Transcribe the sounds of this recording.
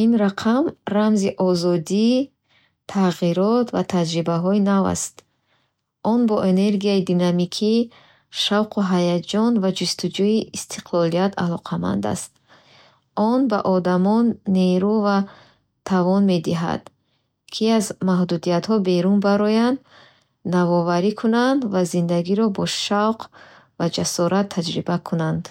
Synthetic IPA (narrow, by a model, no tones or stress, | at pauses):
inɾaqʰamramziʔɔzɔd̪i | t̪ʰaʁiɾɔt̪vat̪ʰad͡ʒɾibaɦɔinava̰st̪ | ʔɔnbɔʔene̞ɾɡiaid̪inamikʰi | ʃawqʰuɦajad͡ʒɔnvad͡ʒust̪ud͡ʒuiːst̪ʰi̥qʰlɔlijat̪ʰa̰lɔqʰama̰nd̪a̰st̪̚ | ɔnbaʔɔd̪amɔnːeɾuva | t̪ʰavɔnme̞d̪iɦa̰d̪̥ | kʰiazmaɦd̪ud̪ijat̪hɔbe̞ɾunbaɾɔjand̪ | navɔvaɾikʰunand̪vazind̪aɡiɾɔbɔʃawqʰ | vad͡ʒasɔɾʔat̪ʰːad͡ʒɾibakʰunand̪